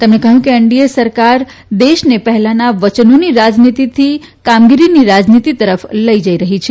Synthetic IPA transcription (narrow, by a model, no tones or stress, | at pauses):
t̪emnekəɦjũkeəɳɖiesəɾkaɾ | d̪eʃnepəɦɛlanaʋət͡ʃənoniɾad͡ʒnit̪it̪ʰi | kamɡiɾiniɾad͡ʒnit̪it̪əɾəfləid͡ʒəiɾəɦit͡ʃʰe